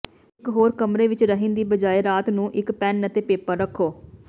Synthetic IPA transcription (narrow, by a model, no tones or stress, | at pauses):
ɪkɦoːɾkəmɾeːʋɪt͡ʃɾəɦɪ̃ːnd̪iːbəd͡ʒaːeːɾaːt̪nũːʔɪkpɛnət̪eːpeːpəɾəkʰːoː